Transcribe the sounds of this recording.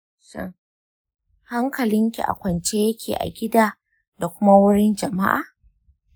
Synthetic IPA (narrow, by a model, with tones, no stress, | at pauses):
ʃɔ̰˦˨ | ha˦ŋkɐ˨lɪ˦ŋkʲḭ˨ʔa̰˨kʷɐ˨nt͡ʃeː˦jɐ˦kʲʰeː˨ʔa̰˨ɡʲɪ˦daː˦ | da˨kʷʊ˦ma˦wʊ˦ɽɪ˦nd͡ʒɐ˨ma̰˦ʔa̰ː˨